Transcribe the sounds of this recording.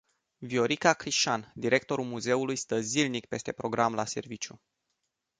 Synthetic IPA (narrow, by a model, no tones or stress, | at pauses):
vio̞ɾikakɾiʃand̪iɾe̞k̚t̪o̞ɾulmuze̞ulujst̪əzilnik̚pe̞st̪e̞pɾo̞ɡɾamlase̞̰rvit͡ʃju